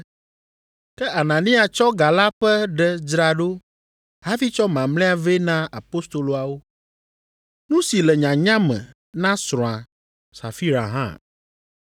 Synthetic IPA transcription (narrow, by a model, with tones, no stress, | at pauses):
kɛ˦ʔa˨nã˨nĩ˦a˨t͡ʃɔ˦ɡa˨la˦ɸɛ˦ɖɛ˦d͡ʒɾa˨ɖo˦ | ɦa˦vi˦t͡ʃɔ˦mã˨mlɛ̃˦a˨ve˦nã˦a˨po˦st̪o˨lo˨a˨wo˦ | nũ˦si˨lɛ˨ɲã˨ɲã˦mɛ̰̃˨ | nã˦sɾ̃ɔ̃˨a˨ | sa̰˨fi˦ɾa̰˨ɦã̰˦˨